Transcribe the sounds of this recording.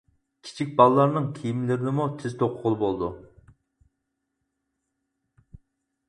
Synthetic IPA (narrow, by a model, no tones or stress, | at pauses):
kʲʰi̥t͡ʃʰik̚ʲbɑlˠəlːˠɑɾnɨŋkʲʰijimlɪɾɪnɪmut̪ʰɪzt̪ʰoqʰʊʁʊlˠbolˠd̪ṵ